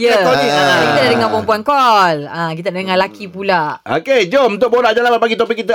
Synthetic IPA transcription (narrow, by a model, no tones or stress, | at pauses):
jəoiakit̪ədadəŋãnpɔmpuankɔlãk̬it̪adadəŋãlakipulao̰ked͡ʒomunt̪ʊʔ̚boɾad͡ʒalapat̪̚paɡit̪opikːit̪̬ə